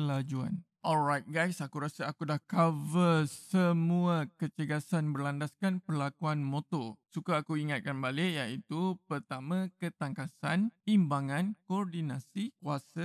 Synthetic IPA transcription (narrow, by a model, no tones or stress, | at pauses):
əlad͡ʒua̰n | ʔɔlrajt̪̚ɡajsakuɾasaakudahkavəsəmuakət͡ʃəɡasanbərlandaskanpərlakuanmot̪ɔsukaːkuiŋat̪̚kanbalɪʔjait̪upərt̪amãkət̪aŋkasanimbaŋãnkɔrdinãsikuasə